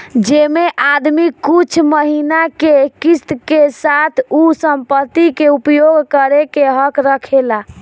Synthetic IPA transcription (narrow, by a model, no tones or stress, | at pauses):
d͡ʒemeʔad̪mikut͡ʃʰməɦinakekist̪kesat̪ʰusəmpət̪ːikeupjoɡkəɾekeɦəkɾəkʰela